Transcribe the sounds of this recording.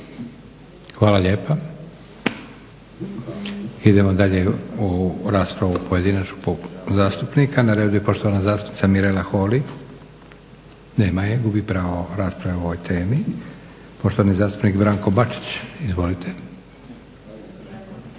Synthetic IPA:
xʋaːlaʎe̞ːpa | id̪e̞mod̪aʎe̞uɾaːspɾaʋupʰo̞je̞d̪inat͡ʃopozaːst̪upnikʰanaɾe̞ːd̪uje̞po̞ʃt̪oʋanazaːst̪u̥pnit̪amiɾelaxo̞ːli | neːmajeɡubipɾaːʋoɾaːspɾaʋeo̞ʋojt̪ʰeːmi | po̞ʃt̪oʋanizaːst̪u̥pnikbɾaːŋko̞bat͡ʃi̥t͡ɕizʋo̞lit̪ʰe

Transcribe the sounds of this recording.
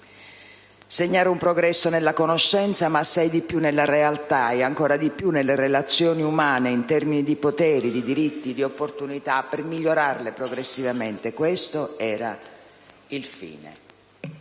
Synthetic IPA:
seɲːaːɾeumpɾoɡɾɛsːonelːakonoʃːɛnt̪samaːsːajd̪ipːjunːelːaɾealt̪aɛaŋkɔːɾad̪ipːjunːelːerelat̪sːjɔːniumaːneint̪ɛrminid̪ipot̪ɛːɾid̪id̪iɾit̪ːid̪iopːort̪unit̪apːermiʎːoɾarlepɾoɡɾesːivament̪ekwest̪oɛːɾa̰ | ilfḭːnḛ

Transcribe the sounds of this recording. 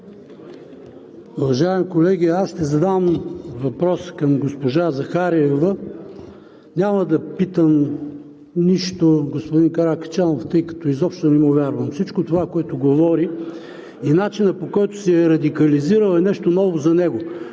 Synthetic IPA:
ʊvɐʒaɛmikolɛɡʲiasʃt̪ɛzɐd̪amvɐpɾɔskɐmɡospoʒazɐxaɾiɛvə | nʲamɐd̪ɐpit̪əm | niʃt̪oɡospod̪inkɐɾakt͡ʃanoft̪ɤjkɐ̥t̪ɔizɔpʃt̪onɛmovʲjaɾvɐmfsit͡ʃkot̪ovakoɛt̪ʊɡovɔɾi | inat͡ʃinəpokɔjt̪ʊ̥sɛɛɾɐd̪ikɐliziɾəlˠɛnɛʃt̪onɔvozɐnɛɡo

